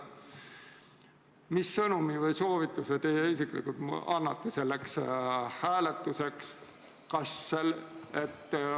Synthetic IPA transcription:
misːɤnumivɤjso̞ːvit̪ːˑuset̪e̞jːeisiklḭkult̪ɑnːɑt̪ːese̞lːekshæːlet̪ːˑuse̞ks | kɑsːelet̪ː

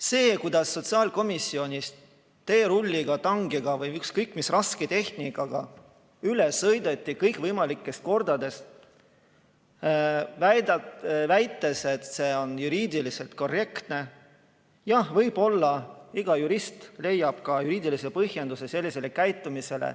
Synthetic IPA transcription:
se̞ːkujd̪ɑsːo̞t̪siɑːlko̞misːio̞nʲist̪ | t̪ːe̞ːɾulʲːiɡ̥ɑt̪ɑŋɡiɡ̥ɑvɯjykskɤjkːˑmisrɑsket̪e̞h̪nikɑɡ̥ɑ̰ | yle̞sːɤjd̪et̪ʲˑːikɤjkˑvɤjmɑlikːˑe̞st̪̚ko̞rd̪̥ɑd̪e̞st̪ | væd̪ɑvæjt̪ːˑe̞se̞t̪seːo̞njuɾiːd̪ilise̞lt̪̚ko̞re̞kt̪ne̞ | jɑhvɤjb̥o̞lːɑiɡ̥ɑjuɾist̪le̞jːɑb̥̚kɑjuɾiːd̪̥ilise̞pɤhje̞nd̪use̞se̞lːise̞le̞kæjt̪ːˑumise̞lḛ

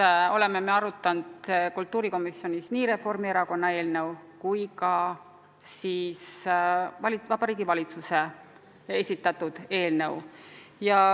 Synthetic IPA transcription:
o̞le̞mːe̞me̞ɑɾut̪ːˑɑnd̪̥kult̪ːˑuːɾiko̞misjo̞nʲisniːɾe̞fo̞rmieɾɑko̞nːɑe̞ːlne̞wkujkɑ | siːs | vɑlivɑb̥ɑɾiːɡivɑlit̪suse̞ | esʲit̪ːˑɑt̪ːˑud̪̥e̞ːlnewjɑ

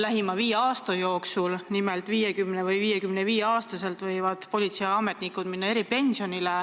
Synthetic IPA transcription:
læɦimɑviːjeɑːst̪ɑjo̞ːksulnimelt̪ˑviːjekymnevɯjviːjekymneviːjeɑːst̪ɑse̞lt̪vɤjvɑd̪̥po̞lʲit̪sejɑme̞t̪ˑnikud̪̥minːɑe̞ɾipe̞nʲsionile

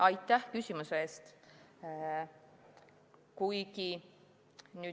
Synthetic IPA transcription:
ɑjt̪ˑːæhkysʲimuseeːst̪ | kujki | nyː

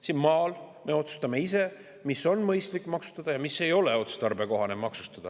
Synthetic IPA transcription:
sinmɑːlme̞o̞t̪su̥st̪ɑme̞ise̞ | miso̞nmɤjst̪likːˑmɑksu̥t̪ːɑd̪ɑjɑmisːe̞jo̞le̞o̞t̪su̥st̪ɑrbe̞ko̞ɦɑnemɑksu̥st̪ɑd̪̥ɑ

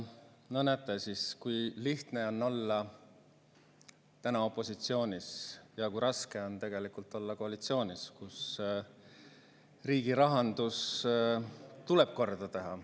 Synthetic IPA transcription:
nonæt̪ːˑesiskujliht̪ne̞o̞nːo̞lːɑ | t̪ænɑo̞pːˑo̞sit̪sio̞ːnʲisjɑkujɾɑske̞o̞nt̪e̞ɡ̥e̞likult̪ːˑo̞lːɑko̞ɑlit̪sio̞ːnʲiskus | riːɡ̥iɾɑɦɑnd̪̥us | t̪ule̞b̥̚ko̞rd̪ɑt̪e̞ɦɑ

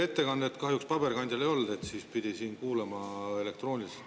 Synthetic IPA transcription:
e̞t̪ːe̞kɑnd̪et̪ːkɑɦjukspɑb̥e̞rkɑnʲd̪ʲjɑlejo̞ld̪e̞t̪siːspid̪isiːnkuːlemɑe̞le̞kt̪ro̞ːnʲis

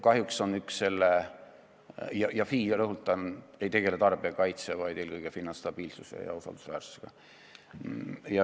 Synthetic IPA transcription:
kɑɦjukso̞nyksːe̞lːe | jɑjɑfiːɾɤɦult̪ːˑɑne̞jt̪e̞ɡ̥e̞let̪ɑrb̥eɑkɑjt̪sevɑjd̪̥eːlkɤjɡ̥efinːɑst̪ɑb̥iːlsusḛjɑ̰usɑ̰ld̪usvæːrsu̥seɡ̥ɑ̰ | jɑ

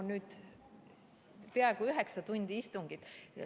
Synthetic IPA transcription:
nnyːd̪̥ | peɑeɡuyɦeksɑt̪unʲd̪̥ʲiist̪uŋɡ̥it̪ːˑ

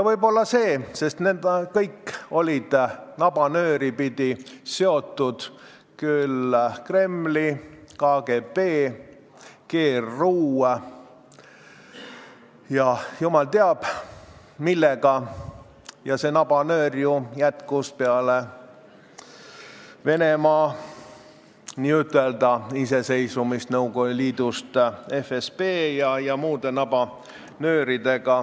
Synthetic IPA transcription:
jɑvɤjbo̞lːɑse̞ːse̞st̪nend̪kɤjkːo̞lʲid̪̥nɑb̥ɑnø̞ːɾipid̪̥ise̞o̞t̪ːˑud̪̥ | kylkre̞mːlikɑɡ̥e̞pe̞ː | ke̞ːrːuː | jɑjumɑlt̪eɑb̥ | milːeɡ̥ɑ | jɑse̞nɑb̥ɑnøːrjujæt̪kuspeɑle | ve̞nemɑː | niːyt̪ːˑe̞ld̪̥ɑise̞se̞jsumist̪nɤwɡohuliːd̪̥ust̪e̞fespeːjɑjɑmuːd̪e̞nɑb̥ɑ | nøːɾid̪e̞ɡ̥ɑ

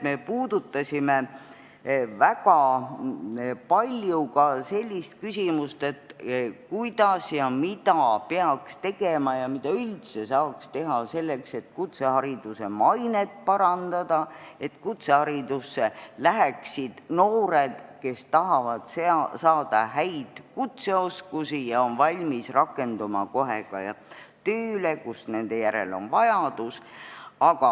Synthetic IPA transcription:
me̞puːd̪ut̪ːɑsʲime | vækɑ | pɑlʲjukɑse̞lʲːist̪̚kysʲimust̪e̞t̪kujd̪̥ɑsjɑmid̪̥ɑpeɑkst̪e̞ɡ̥e̞mɑjɑmid̪̥ɑylt̪se̞sɑːkst̪e̞ɦɑse̞lːe̞kse̞t̪ːkut̪se̞hɑɾid̪̥use̞mɑjnet̪̚pɑɾɑnd̪̥ɑd̪̥ɑe̞t̪ːkut̪se̞hɑɾid̪usːe̞læɦeksid̪̥no̞ːɾed̪̥ke̞st̪ɑɦɑvɑd̪̥ssɑːd̪̥ɑɦæjd̪̥kut̪se̞o̞skusijɑo̞nvɑlʲmisrɑkːˑe̞nd̪umɑ̰ko̞ɦeɡ̥ɑ̰jɑ̰t̪øːlekusne̞nd̪̥e̞jæɾḛlo̞̰nvɑjɑd̪̥usɑɡ̥ɑ

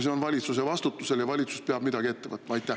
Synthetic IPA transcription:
seo̞nvɑlʲit̪sus̬e̞vɑst̪ut̪ːˑuse̞ljɑvɑlʲit̪su̥speɑb̥mid̪ɑɡ̥ie̞t̪ːevɤ̰tt̪ːemɑjt̪ːˑæh

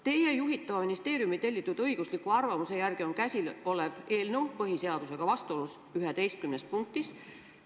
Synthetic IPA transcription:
t̪e̞je̞juɦit̪ːˑɑvɑminist̪e̞ːɾjumit̪e̞lʲːit̪ːˑud̪̥ɤjɡ̥uslikːˑuɑrvɑmuse̞jærɡ̥io̞nkæsʲilo̞le̞ve̞ːlnewpɤɦise̞ɑd̪̥use̞ɡ̥ɑvɑst̪uo̞lːus | yɦe̞d̪̥e̞jst̪̚kymne̞spuŋk̚t̪is

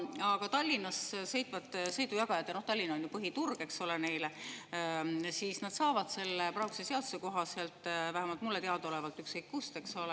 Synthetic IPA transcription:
ɑɡ̥ɑt̪ɑlʲːinɑsse̞jt̪ːˑvɑd̪sɤ̞jd̪ujɑɡ̥ɑjɑt̪jɑnoht̪ɑlʲːinɑonjupɤɦit̪urɡ̥e̞kso̞lene̞jle | siːsnɑd̪sɑːvɑd̪̥se̞lːeprɑwkseseɑd̪u̥se̞ko̞ɦɑsseɑlt̪ˑvæhæmɑlt̪̚mulːe̞t̪eɑd̪o̞levɑlt̪ːˑykskɤjkːkust̪e̞kso̞le

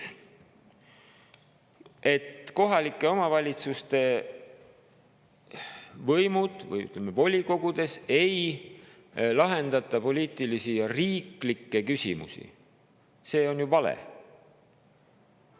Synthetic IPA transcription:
ʔe̞t̪ko̞ɦɑlikːˑe̞o̞mɑvɑlʲit̪sust̪e̞ | vɤjmud̪̥vɯ̰jy̰t̪ːlemːevo̞lʲiko̞ɡud̪̥e̞se̞j | lɑɦe̞nd̪̥ɑt̪ːˑɑpo̞liːt̪ːˑilisijɑriːklikːe̞kysʲḭmṵsḭ | se̞ːo̞njuvɑlḛ

